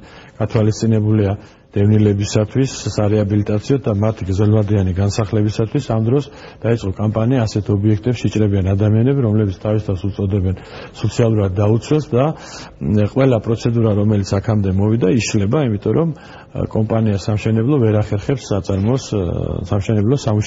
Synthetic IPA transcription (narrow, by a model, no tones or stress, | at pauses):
ɡ̥at̪ʰwalist̪sʼinɛbulia | d̪̥ɛvnilɛbisat̪ʰwisːaɾɛabilit̪ʼat̪sʰiɔd̪amat̪ʰiɡɾzɛlvad̪ianiɡansaχlɛbisat̪ʰwisamd̪ɾɔs | d̪̥ait̪sʼqʼɔkʼampʼaniaːsɛt̪ʰɔbiɛkʰt̪ʼɛpsʃit͡ʃʼɾɛbianad̪amianɛbiɾɔmlɛbit̪sʰt̪ʰavist̪ʰavfsut̪sʼɔd̪ɛbɛn | sɔt̪sʰialˠuɾad̪̚ːaut̪sʰwɛlˠsd̪a | qʼwɛlapʼɾɔt̪sʰɛd̪uɾaɾɔmɛlit̪sʰakʰamd̪ɛmɔvid̪aiʃlɛbaimit̪ʼɔɾɔm | kʼɔmpʼaniasamʃɛnɛblˠɔvɛɾaχɛɾχɛpsat̪sʼaɾmɔssamʃɛnɛblˠɔsamuʃ